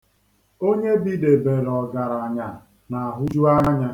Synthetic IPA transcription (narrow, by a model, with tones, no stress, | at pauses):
o˦ɲe˦bi˦de˨be˨ɾɔ˨ɡa˨ɾa˨ɲa˨ | na˨a˨ɦʊ˦d͡ʒu˦a˦ɲa˦ɲa˦